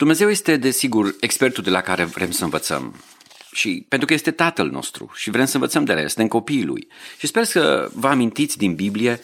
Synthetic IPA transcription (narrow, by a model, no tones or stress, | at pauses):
d̪umne̞zewje̞st̪e̞d̪e̞siɡure̞kspe̞rt̪uld̪e̞lakaɾe̞vɾe̞msəɨnvət̪sə̰m | ʃipent̪ɾukəjest̪e̞t̪at̪əlno̞̰st̪ɾṵʃivɾe̞msəɨnvət̪səmd̪eɾḛst̪emko̞piːlṵjʃispe̞rsə̰vəamint̪it̪sʲd̪inbiblije̞